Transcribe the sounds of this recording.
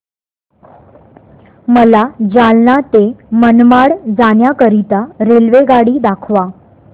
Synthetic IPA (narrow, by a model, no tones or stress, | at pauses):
məlad͡ʑalnat̪emənmaɽd͡zanjakəɾit̪aɾelʋeɡaɽiːd̪akʰʋa